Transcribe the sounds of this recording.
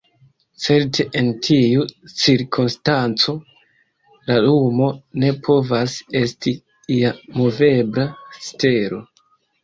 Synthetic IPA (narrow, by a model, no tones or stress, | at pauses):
t͡se̞ɾtʰe̞ʔentʰiut͡siɾkʰunstant͡so̞ | lalumo̞ne̞pʰo̞vase̞sti | iamo̞ve̞bɾaste̞ɾo̞